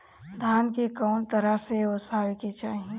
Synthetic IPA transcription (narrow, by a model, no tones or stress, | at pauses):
d̪ʱankekəʊnt̪əɾaseosaweket͡ʃʰaːɦi